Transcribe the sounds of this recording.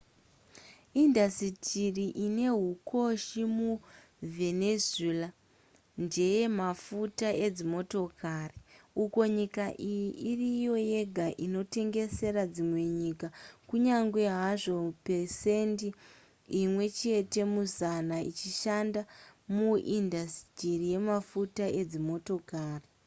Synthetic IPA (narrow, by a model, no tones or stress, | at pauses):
indasitʰiriʔine̞ɦukʰo̞ʃimu | ve̞nezila | nd͡ʒe̞je̞mafutae̞d͡zimo̞to̞kʰariuko̞ɲikaʔijiirijo̞je̞ɡʱaʔino̞te̞ŋɡe̞se̞ɾad͡zimwe̞ɲikakuɲaŋɡwe̞ɦaʐo̞pese̞ndi | imwe̞t͡ʃe̞te̞muzanait͡ʃiʃandamuʔindastirije̞mafutaʔe̞d͡zimo̞to̞kaːri